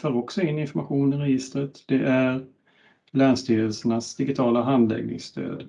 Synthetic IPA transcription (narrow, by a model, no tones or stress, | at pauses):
føːɾɔksɔɪnːɪnfɔɾmaɧuːnɪɾɛjɪst̪ɾət̪d̪̥ɛʔæɾ | læːnst̪yːɾəlsəɳasd̪ɪɡɪt̪ʰɑːlaɦand̪lɛ̰ɡnɪ̰ŋsst̪ʰø̰ːd̪